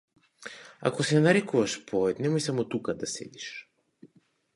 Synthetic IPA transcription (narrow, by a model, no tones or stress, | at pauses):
a̰kɔsɛanaɾɛkuvaʃpʰɔɛt̪nɛmɔjsamɔt̪ukad̪asɛ̰d̪iʃ